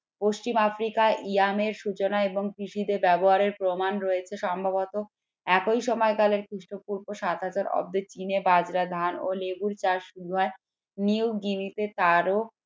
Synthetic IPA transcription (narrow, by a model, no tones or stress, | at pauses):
poʃt͡ɕimafɾikaʔiameɾʃut͡ɕonaeboŋkɾiʃid̪eɾbɛboɦaɾeɾpɾomanɾoet͡ɕʰeʃɔmbʱabot̪o | ɛkojʃɔmɔeɡaleɾkʰɾiʃʈopuɾboʃat̪ɦad͡ʑaɾɔ̰b̚d̪et͡ɕinebad͡ʑɾad̪ʱano̰leɡuɾt͡ɕaɾʃuɾuɦɔe | niwɡimit̪et̪aɾo